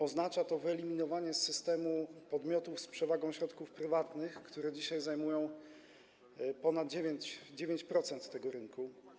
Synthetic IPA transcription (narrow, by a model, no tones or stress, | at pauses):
ɔznat͡ʂat̪ɔvɘɛlʲimʲinɔvaɲɛsːɘst̪ɛmupɔd̪mʲjɔt̪ufspʂɛvaɡɔ̃w̃ɕɾɔt̪kufpɾɘvat̪nɘxkt̪uɾɛd͡ʑiɕajzajmujɔ̃w̃ | pɔnad̪d͡ʑevʲjeɲt͡ɕd͡ʑevʲjeɲt͡ɕpɾɔt̪sɛnt̪ːɛɡɔɾɘnku